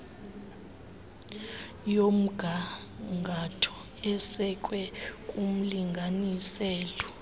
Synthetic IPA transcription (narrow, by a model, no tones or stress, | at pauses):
jom̩ɡ̥ʱa | ŋɡʱatʰɔ̥ | ɛsɛkʼwɛkʼum̩liŋɡʱanisɛːlɔ